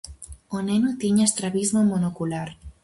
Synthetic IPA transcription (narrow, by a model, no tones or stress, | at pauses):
onenut̪iɲast̪ɾaβizmomonokulaɾ